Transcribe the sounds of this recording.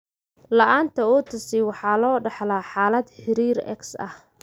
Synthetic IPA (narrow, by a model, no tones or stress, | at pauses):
lɐʔaːnt̪ʰɐuːt̪ʰɐsiwɑħɑːlɔːɖɑħlaːħɑːlɐd̪ħɪɾiːɾɛ̰ksɐ̰h